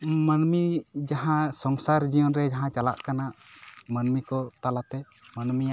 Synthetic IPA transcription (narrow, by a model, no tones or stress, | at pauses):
mənmid͡ʒaɦãsɔŋsaɾd͡ʒijɔnɾɛd͡ʒaɦãt͡ʃala̰ʔkanaʔmənmikɔt̪alat̪ɛ | mənmijaʔ